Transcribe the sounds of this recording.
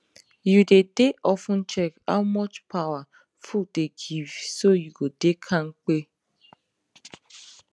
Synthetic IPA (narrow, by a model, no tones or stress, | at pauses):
judedeʔɔfʊ̃n̩t͡ʃɛka̰ʊmɔt͡ʃpʰawa | fudeɡivsojuɡodekʰaŋ̩k͡pe